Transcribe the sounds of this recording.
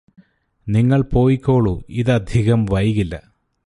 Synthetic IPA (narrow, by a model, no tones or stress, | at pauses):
niŋːɐɭpo̞ːjikʲːo̞ːɭuiðɨɐd̪ʱiɣɐmʋɐjɣilːɐ̰